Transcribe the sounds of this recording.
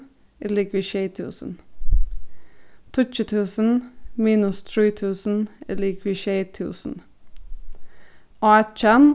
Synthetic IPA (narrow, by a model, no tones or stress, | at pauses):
ɪlɪkʋɪʃeɪt̪ʰʉ̰ːsən̩ | t̪ʰʊt͡ʃət̪ʰʉːsən̩miːnʉst̪ʰɹiːt̪ʰʉːsn̩ɪlɪkʰʋɪʃeɪt̪ʰʉ̰ːsn̩ | ʔɑːt͡ʃan